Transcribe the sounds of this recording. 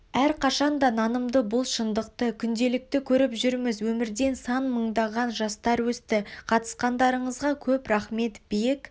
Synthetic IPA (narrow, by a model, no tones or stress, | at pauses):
æɾqʰɑʃɑnd̪ɑnɑnəmd̪əbʊlˠʃənd̪əq̚t̪əkʲʰʏnd̪e̞lɪk̚t̪ɪkʲʰɵɾɪpʒʏɾmɪzwɵmɪɾd̪e̞nsɑnməɴd̪ɑʁɑnʒɑst̪ɑɾwɵst̪ɪqʰɑt̪ə̥sqɑnd̪ɑɾəɴəzʁɑkʲʰɵpɾɑχme̞t̪b̥ejk